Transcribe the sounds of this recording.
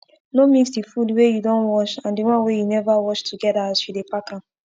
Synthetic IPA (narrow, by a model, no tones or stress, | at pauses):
nomiksdifudwejudɔ̃nwɔt͡ʃãndiwɔ̃nwejunɛvawɔt͡ʃtʰuɡɛdaazjudepakã